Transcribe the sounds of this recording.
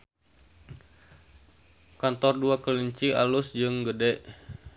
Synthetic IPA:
kant̪ɔrduakəliɲt͡ʃia̰lʊsd͡ʒɨŋɡədɛʔ

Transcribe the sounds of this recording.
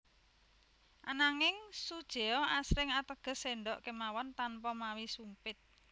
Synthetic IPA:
ʔanaŋɪŋsud̥ʒ̥e̤ɔasɾɪŋat̪əɡ̥ə̤seɳɖɔʔkemawɔnt̪anpɔmawisumpɪt̪̚

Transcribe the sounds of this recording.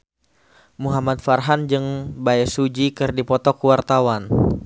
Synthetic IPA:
muɦamat̪̚farɦand͡ʒɨŋbaɛsud͡ʒikɨrdipɔt̪ɔkuwart̪awan

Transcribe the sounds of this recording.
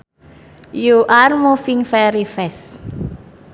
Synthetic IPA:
juʔarmufiŋfɛɾifɛs

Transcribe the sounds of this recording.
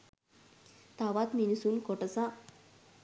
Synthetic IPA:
t̪aʋat̪minisunkɔʈəsa

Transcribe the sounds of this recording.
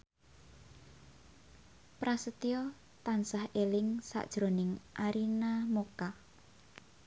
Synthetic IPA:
pɾasət̪iɔ | t̪ansahelɪŋsa̰ʔd̥ʒ̥ɾonɪŋʔaɾinamoka

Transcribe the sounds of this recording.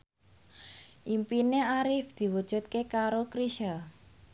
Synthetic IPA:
ʔimpineaɾɪfd̪̥i̤wud̥ʒ̥ṳt̪̚kekaɾokɾiʃə

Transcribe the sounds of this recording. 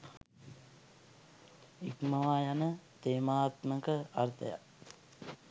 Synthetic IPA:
ikməʋaːjanət̪eːmaːt̪məkəart̪ə̰ja̰

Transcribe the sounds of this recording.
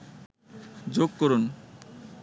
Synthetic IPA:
d͡ʑoɡ̚koɾun

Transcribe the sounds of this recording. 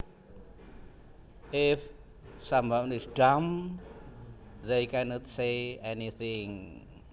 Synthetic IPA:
ɪf | sambãnisdam | ðejkʰɛnɔtseɛniθɪ̃ŋ

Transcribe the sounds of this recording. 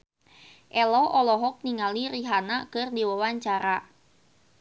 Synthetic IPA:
ʔɛlɔʔɔlɔɦɔk̚niŋaliriɦanakɨrdiwawaɲt͡ʃaɾa

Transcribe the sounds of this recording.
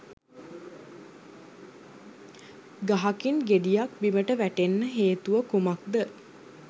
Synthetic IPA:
ɡaɦakinɡed̪ijak̚biməʈəʋæʈenːəɦeːt̪uʋəkumak̚d̪ə

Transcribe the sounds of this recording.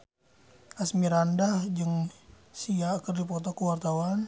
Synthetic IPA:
asmiɾandahd͡ʒɨŋ | siakərdipɔt̪ɔkuwart̪awan

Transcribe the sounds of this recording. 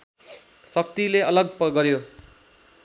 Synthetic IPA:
sʌkt̪ileʌlʌɡ̚pʌɡʌɾjo

